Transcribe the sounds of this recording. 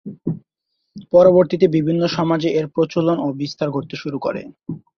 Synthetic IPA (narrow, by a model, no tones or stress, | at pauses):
pɔɾoboɾt̪it̪ebibʱinːoʃɔmad͡ʑeʔeɾpɾot͡ɕolonobist̪aɾɡʱoʈt̪ːeʃuɾukɔ̰ɾḛ